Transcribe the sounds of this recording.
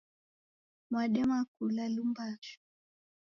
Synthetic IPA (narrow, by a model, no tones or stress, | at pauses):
mwaɗɛmakulalumbaʃu̥